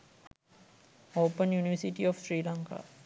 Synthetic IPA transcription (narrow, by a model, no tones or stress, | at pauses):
oːpənjuniʋəsiʈiɔfsɾiːlaŋka̰ː